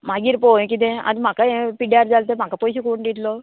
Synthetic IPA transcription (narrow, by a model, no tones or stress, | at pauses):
mɐɡiɾpoːk̬id̪eɐ̰d̪imɐkːɐepiɖijaːɾd͡ʒalt̪eːmɐkːɐpojsukuuɳɖid̪loː